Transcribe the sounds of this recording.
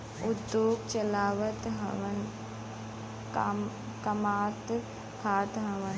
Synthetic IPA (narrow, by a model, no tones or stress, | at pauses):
ʊd̪joːɡt͡ʃɐlaːʋət̪ɦɐʋən | kɐmaːt̪ | kʰaːt̪ɦɐʋən